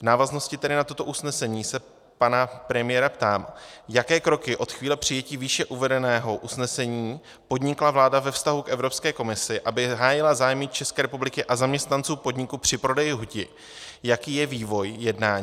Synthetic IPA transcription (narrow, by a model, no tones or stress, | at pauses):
vnaːvazno̞scɪt̪ɛɾɪnat̪ot̪o̞ʔusnɛsɛɲiːsɛ | panapɾɛmɪjɛɾapt̪aːmjakɛːkɾo̞kɪʔo̞t̪xviːlɛpr̝̥ɪjɛciːviːʃɛʔuvɛdɛnɛːɦo̞ʔusnɛsɛɲiː | po̞dɲɪklavlaːdavɛfst̪aɦukʔɛvɾo̞pskɛːko̞mɪsɪʔabɪɦaːjɪlazaːjmɪt͡ʃɛskɛːɾɛpublɪkɪʔazamɲɛst̪nant͡suːpo̞dɲɪkupr̝̥ɪpɾo̞dɛjɪɦucɪ | jakiːjɛviːvo̞jjɛdnaːɲ